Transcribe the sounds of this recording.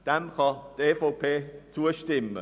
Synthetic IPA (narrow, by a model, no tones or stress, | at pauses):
d̥ɛmkʰɑteːfopʰeːt͡suəʃtɪmə̰